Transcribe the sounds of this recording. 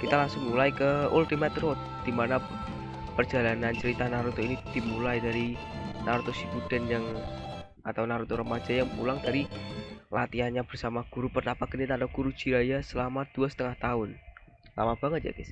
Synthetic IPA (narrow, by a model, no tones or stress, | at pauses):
kit̪alaŋsʊŋmulaikəult̪imat̪ɾot̪̚d̥imana | pərd͡ʒalanant͡ʃəɾit̪anaɾut̪oinid̥imulaidaɾinaɾot̪osikud̥anjaŋ | at̪awnaɾut̪oɾəmad͡ʒajaŋpulaŋdaɾilat̪ianɲab̥ərsamaɡ̥uɾupərnapaɡənit̪anaɡ̥uɾud͡ʒiɾajasəlamad̥uasə̥t̪əŋaht̪aʊn | la̰mab̥aŋət̪̚ja̰ɡɪs